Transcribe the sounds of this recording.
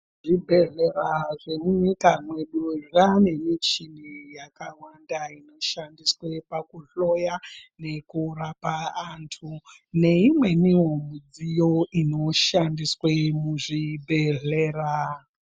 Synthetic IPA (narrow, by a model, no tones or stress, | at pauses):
ʐibʱe̞ɮe̞raʐemuɲikamwe̞ɗuʐane̞mit͡ʃinijakawandaino̞ʃandiswe̞pakuɬojane̞kuɾapaantʰu | ne̞imwe̞niwo̞mud͡zijo̞ino̞ʃandiswemuʐibʱeɮeːra